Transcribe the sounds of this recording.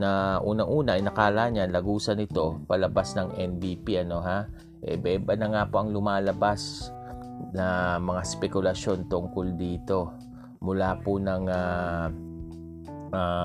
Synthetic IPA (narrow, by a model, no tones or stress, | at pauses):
nɐʔuːnɐŋʔuːnɐʔɐjnɐkaːlaɲanlɐɡuːsɐnɪt̪o̞pɐlɐbasnɐŋʔɛnd̪iːpiʔɐno̞ɦa | ʔɛ̰bɛːbɐnɐŋaːpo̞ʔɐŋlʊmaːlɐbas | nɐmɐŋaspɛkʊlɐʃo̞nt̪ʊŋkold̪iːt̪o̞ | mʊlaːpʊnɐŋa | ʔa